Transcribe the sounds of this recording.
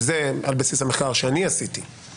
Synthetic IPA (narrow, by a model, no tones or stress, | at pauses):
zealbasishameχkaʁʃeaniasiti